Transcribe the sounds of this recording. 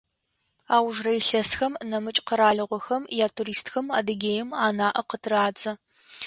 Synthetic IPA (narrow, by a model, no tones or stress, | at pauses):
aːwʒrɐjɬɐsxɐmnɐmɨt͡ʃʼqəɾaːɮɨʁʷɔxɐmjaːtʰuɾiːstxɐmaːdɨɡʲeːjɪmaːnaːʔɐqətʰɨraːd͡zʼɐ